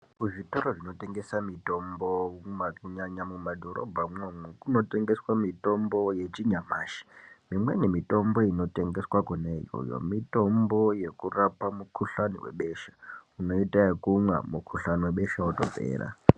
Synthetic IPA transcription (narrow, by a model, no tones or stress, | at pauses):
kuʐito̞ɾoʐino̞te̞ŋɡe̞samito̞mbomakuɲaɲamumadʱo̞ɾo̰bʱamwemwekuno̞te̞ŋɡe̞swamito̞mbo̞je̞t͡ʃiɲamaːʃi̥mimwe̞̰nemito̞mbo̞ino̞te̞ŋɡeswakunaijo̰jo̞̰mito̞mbo̞je̞kurapamukʰuɬaniwe̞̰ɓe̞ʃḁuno̞itaekumwa̰mukʰuɬaniweɓe̞ʃawoto̰pḛːɾa̰